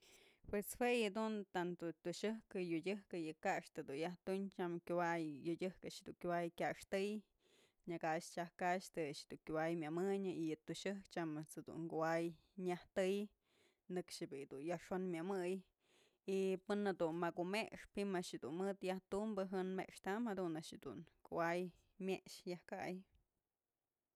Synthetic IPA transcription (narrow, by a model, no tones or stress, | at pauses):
pweshwejad̪unt̪ant̪ot̪uʃɨhkɨjudʲɨhkɨjɨkaʔʂt̪ɨd̪unjaht̪uɲt͡ʃamkʲuwajːudʲɨhkaʔʃd̪uŋkʲowajkʲaʔʂt̪ɨj | ɲakaʔʃt͡ʃahkaʃt̪ɨʃd̪uŋkʲuwajmʲamɨɲɨijɨt̪uʃɨhkt͡ʃamɨsɨd̪ṵnkuwaj | ɲaht̪ɨj | nɨkʂɨbid̪unjaʂonmʲɨmɨj | ipɨnad̪unmakumekʂpimaʔʃɨd̪ṵnmɨt̪jaht̪umbɨɦɨnmeʔkʂt̪amhad̪unaʔʃɨd̪ṵnkuwaj | mʲeʔʂjahka̰j